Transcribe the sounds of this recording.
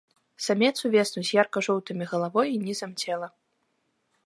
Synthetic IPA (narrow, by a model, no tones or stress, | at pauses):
samʲɛt̪suvʲɛsnuzʲjarkɐʐɔwt̪ɨmʲiɣɐlˠavɔjinʲizɐmt͡sʲɛlˠɐ